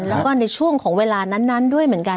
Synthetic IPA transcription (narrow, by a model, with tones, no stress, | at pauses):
lɛː˦˥wkɔː˥˩na˧jt͡ɕʰu˥˩əŋkʰɔː˩˦ŋweː˧laː˧na˦˥nːa˦˥ndu˥˩əjmɯ˩˦ənka˧